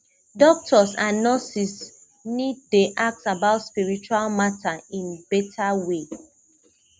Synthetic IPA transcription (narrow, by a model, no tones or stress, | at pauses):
dɔk̚tʰɔsãnːɔsis | nid̚deʔak̚tabaʊtspiɹit͡ʃualmatʰaĩnbetʰawe